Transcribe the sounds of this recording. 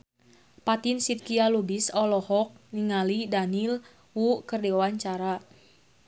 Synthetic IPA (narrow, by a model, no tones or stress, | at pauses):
pat̪insit̪̚kialubisɔlɔhɔk̚niŋalidanil | wukərdɛwaɲt͡ʃaɾa